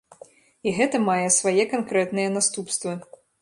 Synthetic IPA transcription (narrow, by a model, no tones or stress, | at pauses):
iɣɛt̪ɐmajɛsvajɛkankɾɛt̪nɨjɛnast̪upst̪vɨ